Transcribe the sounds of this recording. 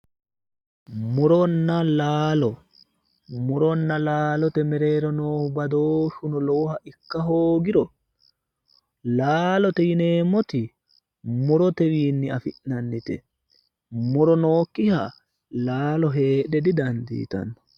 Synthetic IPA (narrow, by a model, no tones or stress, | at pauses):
mʊɾɔnːɐlaːlɔ | mʊɾɔnːɐlaːlɔt̪ɛmɛɾeːɾɔnoːhʊbɐd̪oːʃʊnɔloːhɐʔɪkːɐɦoːɡɪɾɔ | laːlɔt̪ɛjɪneːmːɔt̪ɪ | mʊɾɔt̪ɛwiːnːɪɐfɪʔnɐnːɪt̪ɛ | mʊɾɔnoːkʼːɪha | laːlɔɦe̞ːɗɛd̪ɪd̪ɐnd̪ḭːt̪ɐ̰nːɔ̥